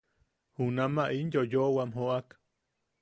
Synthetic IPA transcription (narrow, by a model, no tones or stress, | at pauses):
hunamaʔinjojoʔwamɦoʔak